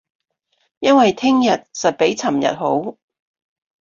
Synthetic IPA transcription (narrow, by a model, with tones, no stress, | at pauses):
jɐ˥nwɐ˨jt̪ʰɪ˥ŋjɐ˨t̚sɐ˨t̚pe˨˥jt͡sʰɐ˨˩mjɐ̰˨t̚ho˨˥w